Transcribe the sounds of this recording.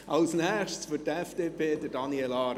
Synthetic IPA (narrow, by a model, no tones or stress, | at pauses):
ʔɑlsnɛχʃtsføtɛfd̥eːpʰeːd̪ədɑniɛlɑːɾ